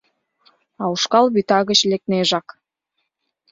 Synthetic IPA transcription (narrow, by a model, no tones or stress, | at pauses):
ɑuʃkɑlβyt̪ɑɣət͡ɕlek̚t̪neʒɑk